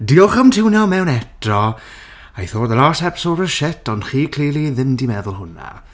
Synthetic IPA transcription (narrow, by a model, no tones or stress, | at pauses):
diɔχəmtʰɪwnjɔmɛwnɛtrɔ | ajθoːdəlaːsɛpsɔɾəʃɛtʰɔndχiːkʰl̥eːlˠiðɪmdimɛðʊlˠhʊna̰